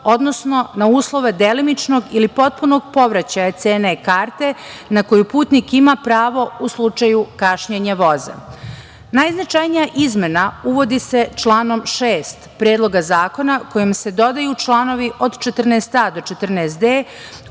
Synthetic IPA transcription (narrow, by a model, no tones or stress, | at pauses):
o̞d̪no̞sno̞nauːslˠo̞ʋed̪e̞limit͡ʃno̞ɡilipo̞t̪̚puno̞ɡ̚po̞ʋɾat͡ɕajat̪seːnekaːɾt̪e̞nako̞jupuːt̪nikimapɾaːʋo̞uslˠut͡ʂajukaʃɲeɲaʋo̞za̰ | najznat͡ʃajnijaʔizme̞nauʋo̞d̪ise̞t͡ʃlaːno̞mʃeːst̪pɾeːd̪lˠo̞ɡazaːko̞nako̞jimse̞d̪o̞d̪ajut͡ʃlˠaːno̞ʋiʔo̞d̪t͡ʃet̪r̩nest̪aːd̪o̞t͡ʃe̞t̪r̩nest̪eː